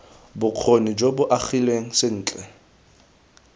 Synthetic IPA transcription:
bʊq͡χʰonid͡ʒobʊʔaχilweŋ̩sɪn̩ːt͡ɬʼɛ

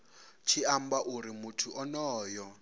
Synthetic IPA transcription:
t͡ʃʰiambaʔuɾimutʰuʔɔnɔːjɔ

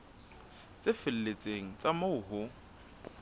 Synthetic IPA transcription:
t͡sʼɪfɪl̩let͡sʼeŋ̩t͡sʼamoʊɦʊ

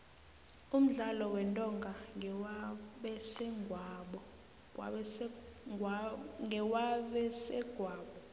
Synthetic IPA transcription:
um̩ɮalɔwɛntʼɔŋɡʱa | ɓɛsɛŋɡʱaɓɔ | ŋʱɛwaɓɛsɛɡ̥ʱwaːɓɔ

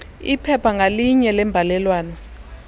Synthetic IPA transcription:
ipʰɛpʰaŋaliɲɛlɛmbʱalɛlwaːnɔ

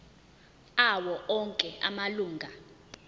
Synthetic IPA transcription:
awɔʔɔŋkʼɛa̰maluːŋɡʱa

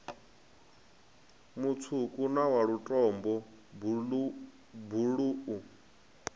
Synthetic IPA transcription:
mut͡sʰukʼunawaɺutʼɔmbɔ | buɺuːʔu

